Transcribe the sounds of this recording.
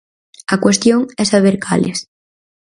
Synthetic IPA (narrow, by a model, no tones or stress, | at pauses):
akwest̪joŋɛsaβ̞eɾkʰa̰lḛs